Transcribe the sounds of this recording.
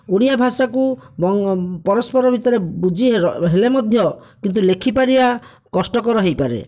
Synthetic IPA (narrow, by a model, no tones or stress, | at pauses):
uɽ̃ijabʱasakubɔŋpɔɾɔspɔɾɔbʱit̪ɔɾebud͡ʒʱiɦelemɔd̪ʱjɔkint̪̬ulekʰipaɾiba | kɔsʈɔkɔɾɔɦejpaɾḛ